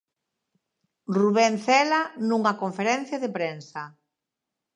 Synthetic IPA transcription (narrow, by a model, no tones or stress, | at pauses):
ruβɛnθɛlanuŋakoɱfeɾɛn̟θjaðepɾensa